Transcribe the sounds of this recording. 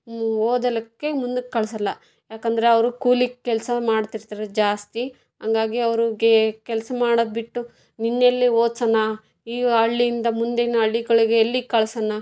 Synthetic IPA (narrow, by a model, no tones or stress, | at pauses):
oːd̪ɐlɐkːemund̪ukekɐɭɐsɐlːɐ | jaːkɐnd̪ɐɾe̞ɐʋɐɾukuːlikkːɛlɐsɐmaːɽt̪iɾt̪aːɾed͡ʒaːst̪i | ɦɐŋɡaːɡiɐʋɐɾuɡekɛlɐsɐmaːɽod̪̚biʈːu | ninːelːioːd̪sɐnɐ | iːɐɭːijind̪ɐmund̪enːɐɐɭːiɡɐɭiɡeːlːikɐɭɐsɐnːɐ